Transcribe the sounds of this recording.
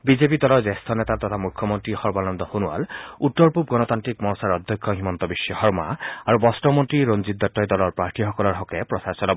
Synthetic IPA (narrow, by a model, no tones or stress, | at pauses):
bizep̬id̪ɔlɔɹzɛst̪ʰɔnɛt̪at̪ɔt̪ʰamukʰːɔmɔntɹixɔɹbalɔnd̪ɔxunua̰lutːɔɹpup̚ɡɔnɔt̪antɹikmɔɹsaɹɔd̪ʱjɔkʰːɔɦimɔnt̪ɔbisːɔxɔɹma̰aɹubɔstɔmɔntɹiɹonzit̪̚dːɔtːɔjd̪ɔlɔɹpɹaɹtʰixɔkɔlɔɹɦɔkɛpɹɔsasɔlabɔ